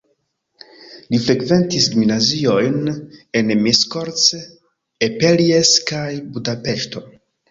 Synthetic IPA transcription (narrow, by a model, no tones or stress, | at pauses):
lifɾe̞kve̞ntisɡuminazio̞jne̞nmiskoɾt͡s | epelieskajbudape̞ʃto̞